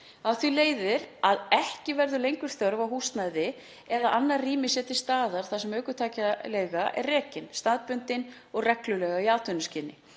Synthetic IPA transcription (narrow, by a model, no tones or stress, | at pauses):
awθileːjðɪɾaðɛhcɪvɛɾðʏlejŋkʏɾ̥θœɾvawɦust̪najðɪ | ɛðaʔanːarriːmɪsjɛːt̪ɪ̥st̪aːðaɾ̥θasɛmœːɥkʏt̪ʰaːcalɛːjɣaʔɛ̰rrɛːcɪnst̪aːðpʏnt̪ɪn | ɔɣrɛklʏlɛɣaiaːwt̪ʰœnʏscɪnːɪ̰